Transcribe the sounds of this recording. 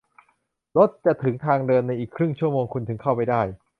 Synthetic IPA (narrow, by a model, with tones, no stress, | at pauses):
lo˦˥t̪̚t͡ɕa˨˩t̪ʰɯ˩˦ŋt̪ʰaː˧ŋdɤː˧nːa˧jʔiː˨˩kʰɾɯ˥˩ŋt͡ɕʰu˥˩əmoː˧ŋkʰu˧nt̪ʰɯ˩˦ŋkʰa˥˩wpa˧˩jdaː˥˩j